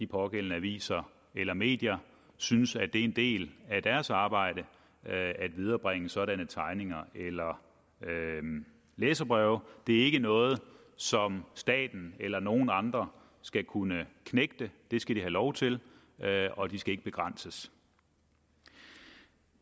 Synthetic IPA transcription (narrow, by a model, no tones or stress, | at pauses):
d̥ipʰɒ̽ɡ̥el̰n̩əæʋḭːsɐ | elɐme̝̰ːd̥jɐ | synsæd̥e̝æe̝nd̥e̝̰ːlæd̥æɐsɑ̈ːb̥ɑ̈ɪ̰ɾ̥ə | æd̥ʋið̞ˠɐːb̥ʁeŋəsɒ̽ɾænət͡sʰɑ̈ɪne̝ŋɐelɐ | leːsɐb̥ʁœʊd̥e̝æɐe̝ɡ̥ənɔ̽ːð̞̩ˠ | sɒ̽msd̥ɛ̰ːd̥n̩elɐno̝ːn̩ɑ̈nd̥ʁɐ | sɡ̥ækʰunəkʰneɡ̥̚d̥əd̥e̝sɡ̥æɾiɦælɒʊt͡sʰe̝l | ɒ̽d̥isɡ̥æe̝ɡ̥əb̥e̝ɡ̥ʁɑn̰səs